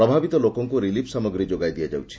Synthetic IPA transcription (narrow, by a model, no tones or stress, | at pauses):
ɾɔbʱabit̪ɔlokɔŋkuɾilipʰsamɔɡɾid͡ʒoɡajd̪ijad͡ʒa̰wt͡ʃʰi̥